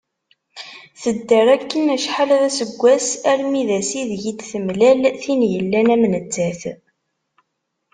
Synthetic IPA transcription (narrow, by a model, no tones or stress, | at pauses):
θəd̪ːəɾˤækːənæʃħalðæsəɡʷːæsæɾmiðæsiðʝid̪θəmlælθinjəlːænæmnəd͡zːæθ